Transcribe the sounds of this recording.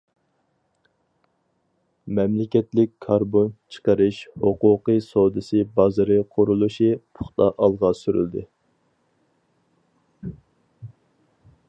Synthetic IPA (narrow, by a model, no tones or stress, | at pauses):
mɛmlɪkʲɛt̪lɪkʲkʰːɑɾbont͡ʃʰə̥qəɾɨʃhoqʊqɨsod̪ɨsɨbɑzɨɾɨqʰʊɾulˠuʃipʰʊ̥χt̪ɑ̰ʔɑlˠʁɑsyɾy̰ld̪ɪ